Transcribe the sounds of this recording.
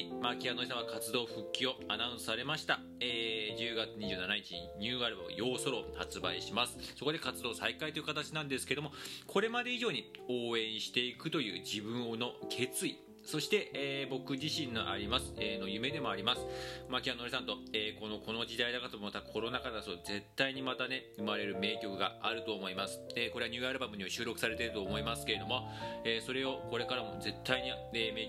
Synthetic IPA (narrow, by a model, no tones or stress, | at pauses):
makʲianoɾʲeisãβakat͡sɨd̪o̞ːɸɯ̟kʲːio̞ananɨsaɾe̞maɕi̥t̪a | eːd͡ʑɨːɡat͡sɨɲ̟iʑɨːnanaɲ̟it͡ɕiɲḭɲ̟ɨːaɾɯba̰jo̞ːso̞ɾo̞hat͡sɨba̰iɕimasɨ̥so̞ko̞d̪e̞kat͡sɨd̪o̞ːsaikait̪oiɯ̟kat̪at͡ɕinãnd̪esɨ̥ke̞d̪o̞mo̞kʰo̞ɾe̞mad̪e̞iʑo̞ːɲ̟io̞ːẽ̞ɰ̃ɕi̥t̪e̞ikɯ̟t̪o̞jɯ̟̰ːd͡ʑibɯ̟̃ɰ̃ono̞kʰe̞t͡sɨi | so̞ɕi̥t̪e̞ʔeːbo̞kɯ̟ʑiɕĩnːo̞ʔa̰ɾʲimasɨ̥eːno̞jɯ̟me̞d̪e̞mo̞aɾʲimasɨ̥makʲianoɾisãnt̪o̞eːko̞no̞kʰo̞no̞ʑid̪aid̪akat̪omoot̪akʰo̞ɾo̞nakanasoze̞t̪ːaiɲ̟imat̪ane̞ɯ̟maɾe̞ɾɯ̟me̞ːkʲo̞kɯ̟ɡa̰aɾɯ̟t̪o̞ːmo̞imasɨ̥eːko̞ɾeaɲʲɨːaɾɯ̟bamɯ̟ɲ̟iβaɕɨːɾo̞kɯ̟̥saɾe̞t̪e̞ɾɯ̟t̪o̞ːmo̞imasɨ̥keɾe̞d̪o̞mo̞ | eːso̞ɾe̞o̞ko̞ɾe̞kaɾamo̞ze̞t̪ʰːaiɲ̟i | eːme̞ː